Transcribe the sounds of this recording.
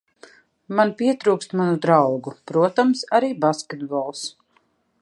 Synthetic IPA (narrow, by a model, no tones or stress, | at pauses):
manpiɛt̪ɾuːkst̪manud̪ɾawɡupɾuɔt̪amsaɾiːbaskʲet̪̚bɔlˠs